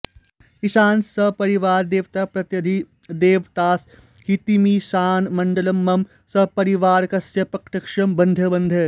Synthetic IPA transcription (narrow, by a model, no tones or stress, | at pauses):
kisaːnsɐpɐɾiʋaːɾd̪eːʋt̪aːpɾɐt̪jɐd̪ʱi | d̪eːʋt̪aːs | hit̪imisaːnmɐɳɖɐlɐmːɐm | sɐpɐɾiʋaːɾkɐsjɐpɐkʈɐkʂɐmbɐnd̪ʱɐbɐnd̪ʱe